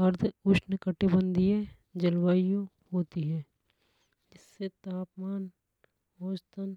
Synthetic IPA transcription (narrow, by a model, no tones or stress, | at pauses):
ɐɾd̪ʱʊʃnəkəʈibə̃nd̪ʱie | d͡ʒɐlwaːijõ | ɦoːt̪iɦɛ̃ː | d͡ʒɪsːet̪aːpmaːn | oːd͡ʒt̪ən